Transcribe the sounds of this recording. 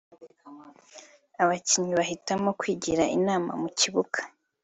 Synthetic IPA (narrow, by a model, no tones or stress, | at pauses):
aβaciɲiβahitamo̞kwiːɟiɾaʔinaːma̰muciβuɡḁ